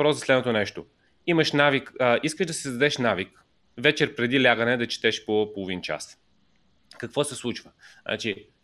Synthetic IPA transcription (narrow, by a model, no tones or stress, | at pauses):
pɾɔsɐslɛd̪not̪onɛʃt̪o | iməʃnavikəiskəʒd̪ɐsizd̪ɐd̪ɛʃnavik | vɛt͡ʃɛɾpɾɛd̪ilʲaɡənɛd̪ɐt͡ʃɛ̥t̪ɛʃpopolˠʊvint͡ʃa̰s | kɐkvɔsɛslˠut͡ʃvəa̰t͡ʃi